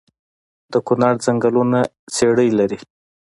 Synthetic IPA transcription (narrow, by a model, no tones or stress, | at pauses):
d̪̥əkunɑɾd͡zaŋɡaluna | seɽəjlaɾi